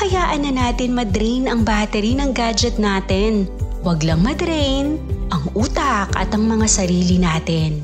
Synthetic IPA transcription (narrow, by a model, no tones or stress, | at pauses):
kɐjaːʔɐnɐnaːt̪ɪnmɐd̪ɾejnɐŋbaːt̪ɛɾinɐŋɡaːd͡ʒɛt̪̚naːt̪ɪnwɐɡlɐŋmɐd̪ɾɛjnʔɐŋuːt̪ɐkɐ̰t̪ɐŋmɐŋasɐɾiːlinaːt̪ɪn